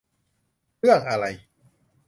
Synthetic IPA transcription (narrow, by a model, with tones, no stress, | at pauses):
ɾɯ˥˩əŋ̚ʔa˧ɾa˧j